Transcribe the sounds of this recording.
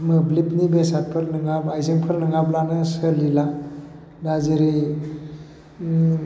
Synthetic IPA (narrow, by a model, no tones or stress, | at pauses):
mɯblipnibesat̚pʰɯɾnɯŋabajzɯŋpʰɯɾnɯŋablanɯsɯlila | dazɯɾi